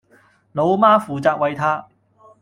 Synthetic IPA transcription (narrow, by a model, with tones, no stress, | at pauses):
lo˨˧wmaː˥fuː˨t͡saː˧k̚wɐ˨˧jt̪ʰaː˥